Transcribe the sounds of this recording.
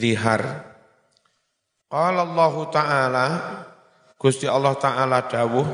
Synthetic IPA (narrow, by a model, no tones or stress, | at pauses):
liɦa̰r | qɑlalːɑɦut̪aʔala | ɡ̥ust̪iʔɑlːɑht̪aʔalaɖ̥awʊ